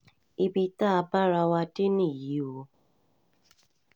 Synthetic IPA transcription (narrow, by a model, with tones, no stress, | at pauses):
i˨bi˨ta˦˨pa˦ɾa˨wa˦te˦ni˨ji˨˦wo˨